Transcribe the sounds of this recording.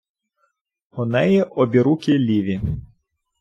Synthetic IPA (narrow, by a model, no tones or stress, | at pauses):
ɔnɛjɛʔɔbʲiɾukʲɪlʲiʋʲi